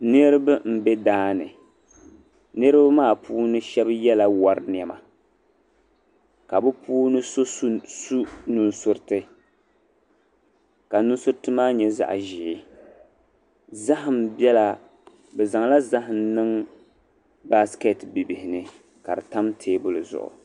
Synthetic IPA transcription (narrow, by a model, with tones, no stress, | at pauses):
nɨ˦ɾɨ˦bɨ˦m̩˦bɛ˦daː˦nɨ̰˨ | nɨ˦ɾɨ˦bmaː˦˨puː˦nɨ˦ʃɛ˦bjɛ˦la˨wa˦ɾn˨ɛ˨ma˨ | ka˨bɨ˦puː˦nɨ˦so˦ssu˦nu˦nsʊ˦ɾtɨ˦ | ka˨nu˦n˦sʊ˦ɾtɨ˦maː˦ɲɛ˦za̰˦˨ʔʒɪ˨˦ | za˦ɦɨ˨mbɛ˦la˦ | bɛ˨za˨ŋla˦za˦ɦɨ˨mnɨ˦ŋ | ba˦skɛ˦tbi˨bɪ˨hɪ˨nɨ˦ | ka˨dɨ˨ta˦mtʰeː˦bʊ˦lɨ˨zʊ̰˨ʔʊ̰˨